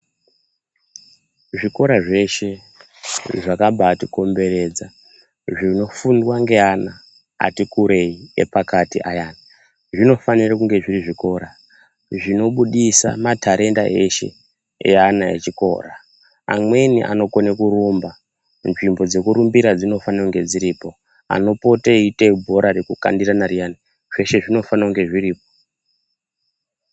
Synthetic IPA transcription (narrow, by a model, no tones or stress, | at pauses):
ʐiko̞ɾaʐe̞ʃe̞ | ʐakabatiko̞mbe̞ɾe̞ːd͡za | ʐino̞fundwaŋɡe̞ana̰ː | tikuɾe̞iḛpakatiʔajaːna | ʐino̞fanirakuŋɡe̞ʐiriʐiko̞ːɾa | ʐino̞ɓuɗisa̰matʰaɾe̞nda̰ʔe̞ʃe̞̰ | ḛanaḛt͡ʃiko̞̰ːra | a̰mwe̞nḭʔa̰no̞konekuɾumba | nʐimbo̞d͡ze̞kuɾumbiɾad͡zino̞fanakuŋɡe̞d͡ziɾiːpo̞ | a̰no̞po̞taiteibʱo̞ɾarekuka̰ndiranarijani | ʐ̥e̞ʃe̞ʐino̞fanauŋɡe̞ʐiriːpo